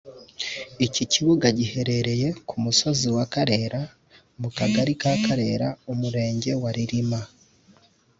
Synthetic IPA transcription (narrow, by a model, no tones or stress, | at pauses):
iciciβuɡaɟihe̞ɾe̞ɾe̞je̞kʰumusoziwakaɾe̞ɾa | mukaɡaɾikakaɾe̞ːɾaumuɾe̞ːɲɟe̞waɾiɾima